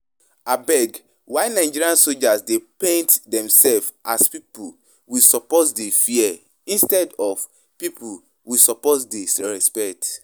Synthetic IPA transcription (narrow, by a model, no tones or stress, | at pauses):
abɛɡ | waɪnaɪd͡ʒiɹiãnsod͡ʒasdepẽntdɛ̃msɛlfʔaspipu | wisɔpɔtdefiɛ | ĩnstɛdɔf | pipu | wisɔpɔtdesɹɛspɛk̚t